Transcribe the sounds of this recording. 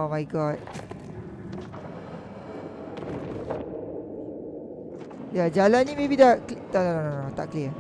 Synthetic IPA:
omajɡɔt̚ | jad͡ʒalannimebid̪aʔknononnonnot̪aʔkliə

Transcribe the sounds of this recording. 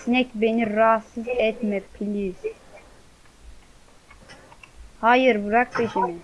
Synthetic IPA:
snɛcʲbeniɾasːɯzɛt̪mɛpʰilʲis | haːjɯɾbuɾak̚pʰeʃimi

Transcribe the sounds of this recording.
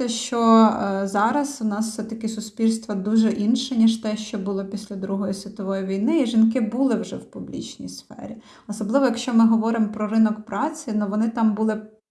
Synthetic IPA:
ɛʃt͡ʃɔzɑɾɐswnɑssɛt̪ɐkʲɪsʊspʲilʲst̪ʋɐd̪uʒɛʔinʃɛnʲiʃt̪ɛʃt͡ʃɔbʊlˠɔpʲisʲlʲɐd̪ɾuɦɔjisʲʋʲit̪ɔʋɔjiʋʲijnɪiʒinkɪbulˠɪwʒɛwpublʲḭt͡ʃnʲḭjsfɛ̰ɾʲi | ɔsɔblˠɪʋɔjɐkʃt͡ʃɔmɪɦɔʋɔɾɪmpɾɔɾɪnɔkpɾɑt͡sʲinʊʋɔnɪt̪ɑmbulˠɪ

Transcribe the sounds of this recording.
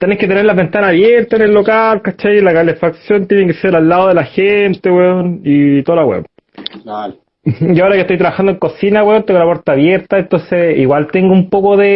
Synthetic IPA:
t̪eneket̪ene̞ɾlaβent̪anaːβjeɾt̪aenelːokalkat͡ʃajlakalefaksjont̪jenekeseɾalːaðoðelaxent̪eweonit̪olawḛo̰n | a | jiaoɾaket̪ojt̪ɾaβaxand̪oeŋko̞sinaweont̪eŋɡolapweɾt̪aːβjeɾt̪aent̪o̞nseiɣwalt̪eŋɡoumpokoðe

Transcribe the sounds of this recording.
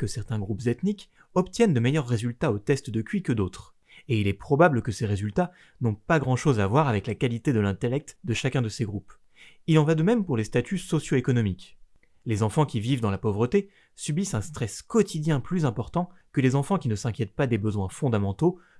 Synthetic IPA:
kəsɛʁt̪ɛ̃ɡʁupzet̪nik | ɔpt̪jɛnd̪əmejœʁːezylt̪aot̪ɛst̪d̪əkʲɥikəd̪ot̪χ | eilɛpχɔbablkəseʁezylt̪a | nɔ̃paɡʁɑ̃ʃozavwaʁavɛklakalit̪ed̪əlɛ̃t̪elɛk̚t̪d̪əʃakʲɛ̃d̪əseɡʁup | ilɑ̃vad̪əmɛmpuʁlest̪at̪ysɔsjoekɔnɔmik | lezɑ̃fɑ̃kʲivivd̪ɑ̃lapɔvʁət̪e | sybisɛ̃st̪χɛskɔt̪ʰid̪jɛ̃plyzɛ̃pɔʁt̪ɑ̃kəlezɑ̃fɑ̃kʲinəsɛ̃kʲjɛt̪̚pad̪ebəzwɛ̃fɔ̃d̪amɑ̃t̪o

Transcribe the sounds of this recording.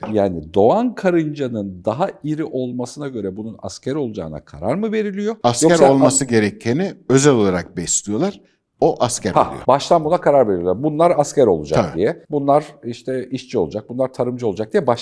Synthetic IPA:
jaːnid̪o̞ankʰaɾɯnd͡ʒanɯnd̪aɦaiɾiʔo̞lˠmasɯnaɟø̞ɾɛbununa̰scʰæɾo̞lˠud͡ʒa̰ːna̰kʰaɾaɾmɯve̞ɾilʲijo̞askjoæɾolˠmasɯɟe̞ɾɛc̪̚ʰeniøzɛlʲo̞lˠaɾak̚bɛst̪ʲijo̞lˠaɾ̥ | oʔascʰæɾa̰ḭbaʃt̪ˠanbunakʰaɾaɾve̞ɾilʲijoɾbunlˠaɾascʰæɾo̞̰lˠud͡ʒakd̪ijɛbunlˠaɾiʃt̪ʰɛiʃt͡ʃʰio̞lˠud͡ʒak̚bunlaɾt̪ʰaɾɯmd͡ʒɯo̞lˠud͡ʒak̚d̪ijɛbaʃ

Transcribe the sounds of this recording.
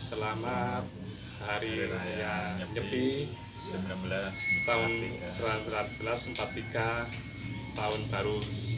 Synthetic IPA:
səlamat̪̚ | haɾijaɲəpi | t̪aʊnsəlamɾat̪̚b̥əlasmpat̪ːiɡa | t̪aʊnb̥aɾu

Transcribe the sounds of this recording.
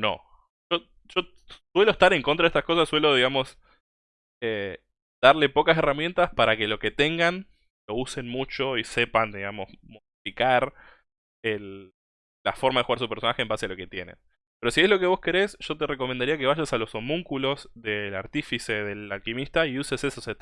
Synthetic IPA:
no̰ | ʒ̥o̞ | ʒ̥o̞ | swe̞lo̞est̪aɾe̞ŋkonɾaðet̪ahko̞sasːwe̞lo̞ðiɣamo̞s | e | d̪̥aɾle̞po̞kase̞ramje̞nt̪aspaɾake̞lo̞ke̞t̪e̞ŋɡan | lo̞use̞nmut͡ʃo̞ise̞pand̪iɣamo̞smoðifikaɾ | elː | afo̞ɾmaðexuɣaɾsupeɾso̞naxeːmbasealo̞ke̞t̪jenḛ | peɾo̞siezlo̞ke̞β̞o̞ske̞ɾesʒ̥o̞t̪e̞re̞ko̞mend̪aɾiake̞β̞aʒasalo̞somuŋkulo̞zðe̞la̰ɾt̪ifise̞ðe̞lalkimist̪aiusesesoset̪

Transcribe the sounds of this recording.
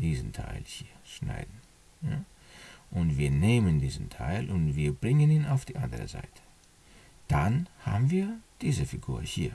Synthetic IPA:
d̥iːzn̩tʰa̰ɪlhiːɐʃna̰ɪdn̩ | jaː | ʔʊntv̥iːɐneːməndiːzn̩tʰa̰ɪlʔʊntv̥iːɐbʁɪŋəniːnaʊfd̥iːʔandəʁə̰za̰ɪtʰə̥ | d̥anha̰ːbm̩viːɐd̥iːzəfiɡṵːɐhiːɐ

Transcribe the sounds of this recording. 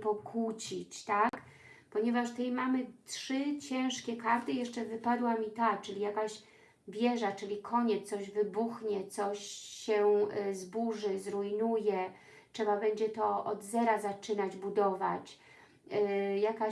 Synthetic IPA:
pɔkwut͡ɕit͡ɕt̪ak | pɔɲɛvaʂt̪ɛjmamɘtʂɘt͡ɕɛ̃w̃ʂkʲɛkaɾt̪ɘjɛʂt͡ʂɛvɘpad̪wamʲit̪at͡ʂɘlʲijakaɕ | vʲjɛʐat͡ʂɘlʲikʰɔɲɛsɔʑvɘbuxɲɛt̪sɔɕːɛzbuʐɘzɾujnujɛ | tʂɛbabɛɲd͡ʑɛt̪ɔɔd̪zɛɾazat͡ʂɘnad͡ʑbud̪ɔvat͡ɕ | jaka

